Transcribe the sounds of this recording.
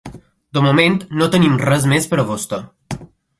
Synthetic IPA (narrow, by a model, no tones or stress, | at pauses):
d̪əmument̪not̪ənimrɛzmespəɾəβost̪ə